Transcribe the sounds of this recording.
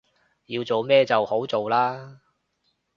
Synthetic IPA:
jiː˧wt͡so˨wmɛː˥t͡sɐ˨who˨˥wt͡so˨wlaː˥

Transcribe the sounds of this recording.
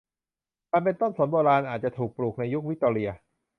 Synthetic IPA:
kaː˧npe˧nt̪o˥˩nso˨˩˦nboː˧ɾaː˧nʔaː˨˩t̪̚t͡ɕa˨˩t̪ʰuː˨˩k̚pɾuː˨˩k̚na˧ju˦˥k̚wi˦˥t̪ːoː˧ɾi˧ɐ

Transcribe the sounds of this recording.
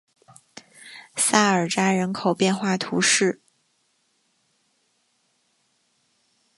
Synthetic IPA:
sa˥˩ə˞˨˩ʈ͡ʂa˥ɻə˧˥nkʰo˨˩ʊpjɛ˥˧nxwa˥˩t̪ʰṵ˧˥ʂɻ̩˥˩

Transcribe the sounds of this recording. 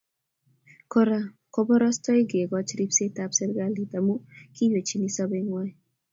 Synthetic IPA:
kɔ˦ɾa | kɔ˦bɔ˦ɾɔ˦stɔ˦i˦ɡe˨ɡɔ˦t͡ʃɾi˦pse˦t̪apse˦ɾɡa˦lit̪a˨mu˦ki˦je˨t͡ʃi˦ni˦sɔ˦be˦ŋwa˦j

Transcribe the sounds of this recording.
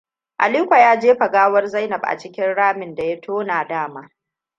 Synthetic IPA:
ʔa˨liː˦kʷa˨jaː˦d͡ʒeː˦ɸɐ˨ɡaː˦wɐ˦rza˦jnɐ˨bʔa̰˨t͡ʃɪ˦kʲɪ˦nɽaː˦mɪ˨nda˨ja˦tʰoː˦na˨daː˦˨maː˦

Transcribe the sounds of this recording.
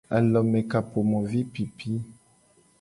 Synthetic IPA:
a̰˨lɔ˨mɛ˨ka˨po˨mɔ˨vi˦pi˨pʰi˦

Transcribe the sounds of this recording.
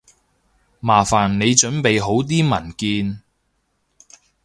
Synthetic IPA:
maː˨˩faː˨˩nːe˨˧jt͡ʃɵ˨˥npe˨jɦo˨˥wt̪̬iː˥mɐ˨˩nkiː˧n

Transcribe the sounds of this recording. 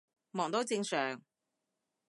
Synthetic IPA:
mɔː˨˩ŋt̪o˨˥wt͡sɪ˧ŋsœː˨˩ŋ

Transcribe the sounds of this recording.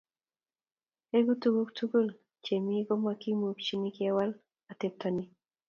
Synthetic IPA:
e˦ɡu˦tu˦ɡu˦ktʰu˦ɡo˦˨l | t͡ʃe˨mi˦ɡɔ˦mwa˦ki˦mu˨kt͡ʃi˦ni˦kia˦wa˦l | a˨t̪e˨t̪ɔ˨ni˦

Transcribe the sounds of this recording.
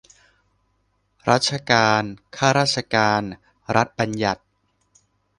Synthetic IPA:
ɾa̰˦˥t̪̚t͡ɕʰa˧kaː˧nkʰaː˥˩ɾaː˥˩t̪̚ʰa˧kaː˧n | ɾa˦˥t̪̚ba˧nja˨˩t̪̚

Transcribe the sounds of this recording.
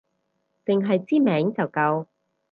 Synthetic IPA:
t͡sɪ˨ŋɦɐ˨jt͡siː˥mɛː˨˥ŋt͡sɐ˨wkɐ˧w

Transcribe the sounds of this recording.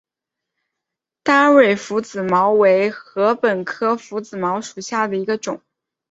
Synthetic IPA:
t̪a˥we˥˩ɪfu˧˥t͡sɹ̩˨˩mɑ˧˥ʊwe˧˥ɪxɤ˧˥pə˨˩nkʰɤ˥fu˧˥t͡sɹ̩˨˩mɑ˧˥ʊʂu˨˩ɕja˥˩d̪ə˩i˧˥ɡə˧ʈ͡ʂʊ˨˩˦ŋ

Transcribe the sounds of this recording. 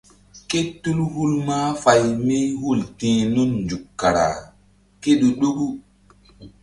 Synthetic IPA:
ke˦tːu˦lhu˦lmaː˦fa˨jme˦ɦu˦˨ltẽ˨nu˦nnd͡ʒu˨kːa˨ɾa̰˨ | ke˦ɗu˨ɗo˦ɡu˦

